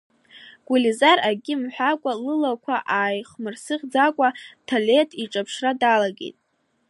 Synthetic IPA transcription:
ɡ̥ʷulizaraɡʲɪmħʷᶣakʷʼalɨlakʷʰaʔaːjχmɨrsɨχʲd͡zakʷʼatʰale̞tʰiʈ͡ʂʼapʰʂradalaɡʲḛtʼ

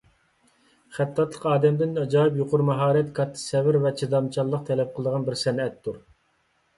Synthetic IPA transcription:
χæt̪ʰːɑt̪lˠəqɑːd̪ɛmd̪ɪnɑd͡ʒɑːɪp̬joqʰʊɾmɑɦɑːɾɛt̪kʰɑt̪ʰːɨ̥sɛvɪɾvɛt͡ʃʰid̪ɑmt͡ʃʰɑlˠːəq̚t̪ʰɛlɛp̚qʰəlˠəd̪əʁɑnbɪɾsɛnɛt̪ʰːuɾ

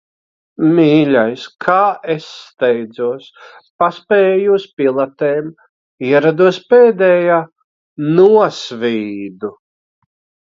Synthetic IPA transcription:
miːlʲajskʰaːesːt̪ɛjd̪zuɔspaspɛjuspʲilˠat̪eːm | iɛɾad̪uɔspeːd̪ɛːjaː | nuɔsvʲiːd̪u

